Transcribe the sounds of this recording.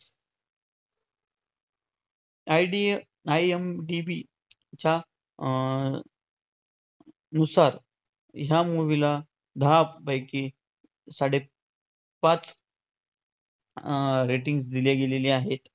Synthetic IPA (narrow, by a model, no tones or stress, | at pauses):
ajɖi | ajemɖibi | t͡ɕa | nusaɾ | jamoʋila | d̪ʱapbajki | saɽ̤e | pat͡s | ɾeʈiŋɡs̬d̪ileɡeleliaɦet̪